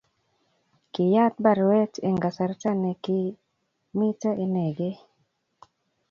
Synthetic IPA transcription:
kɪ˨ja˦t̪̚ba˨ɾwɛ˦te˨ŋɡa˨sa˨ɾta˦nɛ˨kɪ˦ | mi˦ta˦ʔe˨ne˨ɡe˦

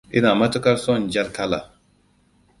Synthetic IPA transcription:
i˦naː˨mɐ˦t̪u˦kɐɾsõ˦nd͡ʒɐ˦ɾkʰala̰˨

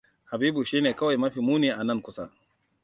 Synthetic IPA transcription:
ha˨biː˦bu˨ʃiː˦neː˨kɐ˦wa˨jmɐ˦ɸiː˨muː˦niː˨ʔa˨nɐ˦ŋkʷʊ˦sa˦

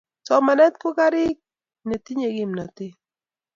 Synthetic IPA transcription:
sɔ˨ma˨nɛ˦t̪̚ko˦ka˦ɾɪ˦k̚ | ne˨ti˦ɲe˨kɪ˦mna˨tɪ˦

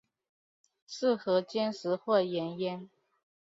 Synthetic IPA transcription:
ʂɻ̩˥˩xɤ˧˥t͡ɕjɛ˥nʂɻ̩˧˥xwɔ˥˩jɛ˧˥njɛ˥n

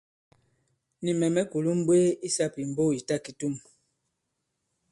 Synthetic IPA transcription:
ni˨mɛ˨mɛ˦ku˨lu˦m˦bwe˦i˦sa˦˨pi˨m̩˨bo˦˨i˨ta˦ki˦tu˦m

